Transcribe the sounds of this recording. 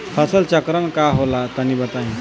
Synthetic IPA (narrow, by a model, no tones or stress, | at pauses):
fʰasəlt͡ʃəkɾəɳkaɦolat̪aniːbət̪aɦi